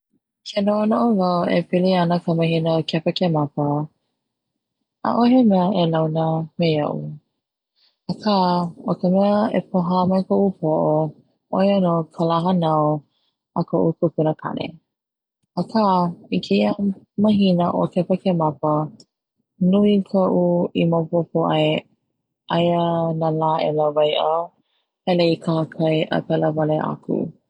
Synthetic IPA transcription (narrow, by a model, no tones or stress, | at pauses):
kʰenoonoʔovɐwḛpiliɐnəkʰəmɐhinəokʰɛpəkemɐpə | a̰ʔoɦemɛəʔelɐwnəmeɐ̰ʔṵ | akʰaokəmɛəḛpʰoɦamɐjkʰoʔupʰoʔo | ʔojənokʰəlaɦənao | əkʰoʔukʰukunəkʰɐ̰nḛ | əkʰaːikʰea | mɐɦinəʔokepəkemɐpə | nuikʰoʔuimopopoʔaj | ʔɐjənalaːʔḛlavɐjʔa | hɛleikʰahəkʰɐjʔə̰pɛləvɐleʔa̰kʰṵ